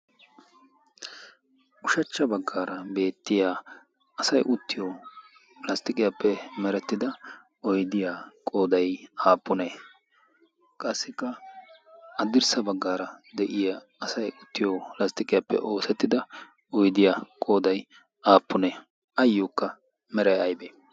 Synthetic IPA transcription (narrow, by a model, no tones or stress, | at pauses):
ʔʊʃɐt͡ʃːɐbɐɡːaːɾɐbe̞ːt̪ːɪjaː | ɐsɐjʔʊt̪ːɪjoː | lɐst̪ʼɪkʼɪjapːɛmɛɾɛt̪ːɪd̪ɐ | ɔjd̪ɪjaːkʼo̞ːd̪ɐjaːpːʊne | kʼɐsːɪkːɐ | ɐd̪ɪɾsɐbɐɡːaːɾɐd̪ɛʔɪja | ɐsɐjʊt̪ːɪjoːlɐst̪ʼɪkʼɪjapːɛ̰ʔo̞ːsɛt̪ːɪd̪ɐ | ɔjd̪ɪjakʼo̞ːd̪ɐj | ʔaːpːʊne | ʔɐjːuːkːɐ | mɛɾɐjɐjbeː